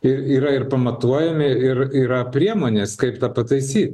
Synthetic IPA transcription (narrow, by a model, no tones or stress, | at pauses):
ɪɾiːɾɐɪɾpɐmɐt̪uɔjɛmʲɪɪɾiːɾɐpʲɾʲiɛmoːnʲeːskɐɪpt̪ɑpɐt̪ɐɪsʲiːt̪ʲ